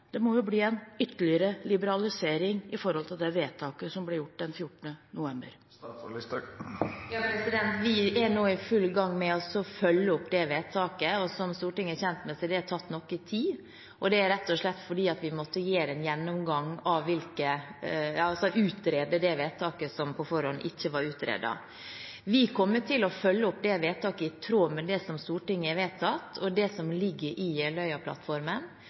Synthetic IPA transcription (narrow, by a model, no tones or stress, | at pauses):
d̪̥ɛmɔjʊbliːɛnʏt̪ːəɭɪəɾəlɪbəɾɑlɪseːɾɪŋɪfɔɾhɔlt̪ʰɪld̪ɛʋeːt̪ʰɑːkəsɔmblɪɾjʊʈ̚ːd̪ɛnfjʊʈːəɳənʊʋɛmbə̰ɾ | jɑːpɾɛsɪd̪ɛnt̪ʋɪæɾɳoːɪfʉlɡɑŋːmɛɔsɔfœlːəʊpːd̪ɛʋeːt̪ʰɑːkəɔsɔmst̪uːʈɪŋːəçɛnt̪mɛsæd̪ɛæʈ̪ʰɑt̪ːnɔkːɪt̪ʰiː | ʔɔd̪ɛæɾɛt̪ːɔʂɭɛt̪ːfɔɖiːɑt̪ʋɪmɔt̪ːəjeːɾɛnjɛnːɔmɡɑŋɑʋʋɪlkə | ɑɑlsɔʔʉːt̪ɾeːd̪əd̪ɛʋeːt̪t̪ʰɑːkəsɔmpʰɔfɔɾhɔnʔɪçːəʋɑɾʉːt̪ɾḛːd̪ɑ̰ | ʋɪkʰɔmːət̪ʰːɪlɔfœlːəʊpd̪ɛʋeːt̪ːɑːkəɪt̪ʰɾoːmɛd̪ɛsɔmst̪uːʈɪŋːəɪʋeːt̪ʰːɑt̪ːɔd̪ɛsɔmlɪɡːəɾʔɪɛlœʏɑpʰlɑ̰t̪fɔɾmən